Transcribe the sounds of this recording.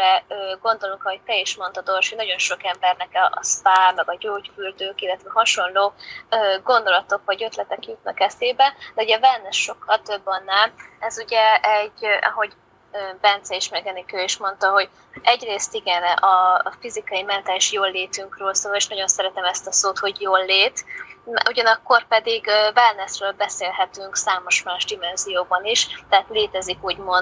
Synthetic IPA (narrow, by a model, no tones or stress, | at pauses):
ɛøːɡo̞nd̪o̞luŋkɒɦo̞c̚t̪ɛiʃmo̞nt̪ɒd̪o̞rʃinɒɟo̞nʃo̞kɛmbɛrnɛkɛ̰ːspaːmɛɡɒɟoːcfyld̪øːkilːɛt̪vɛɦɒʃo̞nloːøːɡo̞nd̪o̞lɒt̪o̞kvɒɟø̞t̪lɛt̪ɛkjut̪̚nɒkɛseːbɛd̪ɛuɟɛvɛlnːɛʃo̞khɒt̪ø̞bːɒnːaːlɛzuɟɛɛɟʔɒ̰ɦo̞ɟ | øːbɛnt̪sɛiʃmɛɡɛnikøːeʃmo̞nt̪ɒɦo̞ɟ | ʔɛɟreːst̪iɡɛnʔɒfizikɒimɛnt̪aːliʃjoːlːeːt̪yŋkrøːlsoːleːʃnɒɟo̞nsɛɾɛt̪ɛmɛst̪ɒsoːt̪ho̞ɟjoːlːeːt̪uɟɒnɒkːo̞rpɛd̪iɡvɛlnɛsrøːlbɛseːlɦɛt̪yŋksaːmo̞ʃmaːʒd̪imɛnzijoːbɒniʃt̪ɛɦaːt̪leːt̪ɛzikuːɟmon